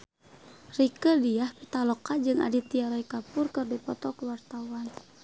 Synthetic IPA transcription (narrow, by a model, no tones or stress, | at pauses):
rikədiahpit̪alɔkad͡ʒɨŋa̰dit̪iaɾɔikapurkɨrdipɔt̪ɔkəwart̪awan